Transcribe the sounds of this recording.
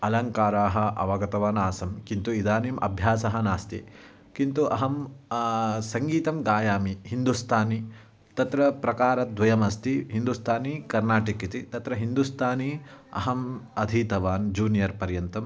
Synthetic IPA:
ɐlɐŋkaːɾaːɦɐ̆ʔɐ̰ʋɐɡɐt̪ɐʋaːnaːsɐmkint̪uid̪aːniːmʔɐ̰bʱjaːsɐɦɐnaːst̪ḭ | kint̪uʔɐɦɐm | sɐŋɡiːt̪ɐmɡaːjaːmiɦind̪ust̪ʰaːni | t̪ɐt̪ɾɐpɾɐkaːɾɐd̪ʋɐjɐmɐst̪iɦind̪ust̪ʰaːnikɐɾnaːʈikit̪it̪ɐt̪ɾɐɦind̪ust̪ʰaːniɐ̰ɦɐmɐd̪ʱiːt̪ɐʋaːnd͡ʒuːnijɐɾpɐɾjɐnt̪ɐm

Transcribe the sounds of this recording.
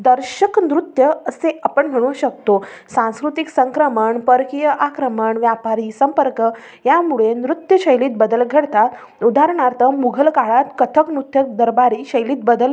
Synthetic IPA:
d̪əɾɕəknɾut̪jəəseʔapəɳm̤əɽ̃uɕəkt̪osãñskɾut̪iksəŋkɾəməɳpəɾkijəʔakɾəməɳʋjapaɾiːsəmpəɾkə | jamuɭenɾut̪jəɕəjliːt̪̚bəd̪əlɡʱəɽt̪at̪ | ud̪ʱaɾɳaɾt̪əmuɡʱəlkaɭat̪kət̪ʰəknut̪ʰjək̚d̪əɾbaɾiːɕəjliːt̪̚bəd̪əl

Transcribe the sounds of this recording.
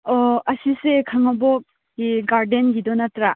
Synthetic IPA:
ɔɐsisekʰaŋabɔk | iɡaɾdenɡidɔnatɾa

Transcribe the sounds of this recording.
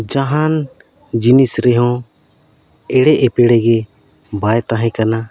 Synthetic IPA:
d͡ʒaɦan | d͡ʒinisɾɛɦɔ̃ | ɛɽɛʔɛpɛɽɛɡɛ | bajt̪ãɦɛ̃kana

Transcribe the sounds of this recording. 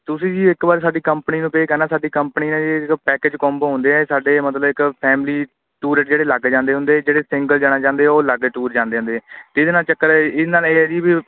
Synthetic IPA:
t̪ʊsĩːd͡ʒiːɪkbaːɾsaːɖiːkəmpniːnũːpeːkɛːnãːsaːɖiːkəmpniːnãːd͡ʒɪkpɛːkeːd͡ʒkɔ̃ːmbɦõnd̪eːɛːsaːɖeːmət̪ləbɪkpʰɛːmliː | ʈuːɾeʈd͡ʒeːɽeːlaɡd͡ʒãːnd̪eːɦʊ̃nd̪eːɛːd͡ʒeːɽeːsɪŋɡəld͡ʒaːɽ̃aːt͡ʃãːnd̪eːɛoːləɡeʈuːɾd͡ʒãːnd̪eːɦnd̪eːɛːt̪eɪd̪eːnaːlt͡ʃəkːəɾɛɪnaːleːɛːd͡ʒiːbiː

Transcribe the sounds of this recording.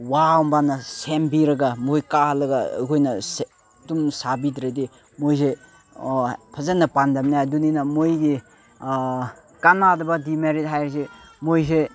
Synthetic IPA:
wawmbanɐsembiɾɐɡamojkahlɐɡa̰kʰojnɐse | dumsabitɾedi | mojs̬e | pʰɐzanːɐpandamnajɐduninɐmojɡi | kanadɐbɐdimeɾit̚ɦajɾsemojs̬e

